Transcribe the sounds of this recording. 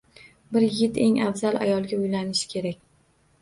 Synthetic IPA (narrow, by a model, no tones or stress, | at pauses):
bɪɾjɪɡʲɪt̪ʰe̞ŋafzalˠʔa̰jɒlˠɡʲaʊjlanɪʃɪ̥kʲʰe̞ɾakʲ